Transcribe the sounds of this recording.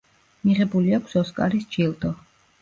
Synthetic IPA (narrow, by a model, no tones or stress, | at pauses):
miʁɛbuliakʷʰsɔskʼa̰ɾisd͡ʒʰilˠd̪ɔ